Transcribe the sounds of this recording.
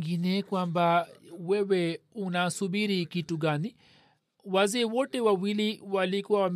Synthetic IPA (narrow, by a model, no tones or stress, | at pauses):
ɡinɛkwambawɛwɛunasuɓiɾikituɠani | wazɛːwɔtɛwawiliwalikuwawam